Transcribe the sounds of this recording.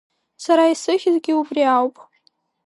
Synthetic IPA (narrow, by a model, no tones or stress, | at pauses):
saɾaisɨχʲɪzɡʲɪubriawpʼ